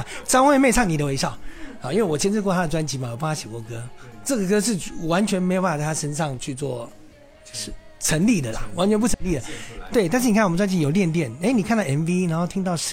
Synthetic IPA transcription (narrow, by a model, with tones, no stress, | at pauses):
ʈ͡ʂɑ˥ŋxwe˥˧me˥˧ɪt͡sʰɑ˥˩ŋni˨˩d̪ə˦we˧˥ɪʂɑ˥˩ʊa˨˩˦i˥nwe˥˩ɪwɔ˨˩jɛ˥˧nʂɻ̩˥˧kwɔ˥˧t̪ʰa˥də˨˩ʈ͡ʂwa˥nt͡ɕi˧˥ma˨˩jp̪ʰa˥ɕjɛ˨˩kwɔ˧˥kɤ˥ʈ͡ʂɤ˥˩ɡə˩kɤ˥ʂ̬ɻ̩˥˩wa˧˥nt͡ɕʰɥɛ˧˥nme˧˥jpa˥˧t͡sa˥˩a˥˧ʂə˥nʂɑ˥˧ŋt͡ɕʰy˥˧t͡swɔ˥˩ | ʂ̩˥˩ | ʈ͡ʂʰə˧˥ŋli˥˩d̪ə˩lɐ˩wa˧˥nt͡ɕʰɥɛ˧˥pu˥˩ə˧˥ŋli˥˩d̪ə˩t̪we˥ɪt̪a˥˧nʂ̬ɻ̩˥˩i˨kʰa˥˩wt͡swa˥nt͡ɕi˧˥jo˨˩ʊljɛ˥˧nt̪̬jɛ˥˩n˥˧˥ni˨kʰa˥˧t̪ɑ˥˩ɛ˧˥nvi˦na˧nxo˥˩ʊt̪ʰi˥ŋt̪ɑ˥˩ʊʂ